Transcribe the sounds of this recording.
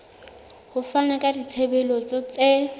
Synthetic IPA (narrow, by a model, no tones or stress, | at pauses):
hʊfanakʼadit͡sʰebɛlɔt͡sʼɔt͡sʼe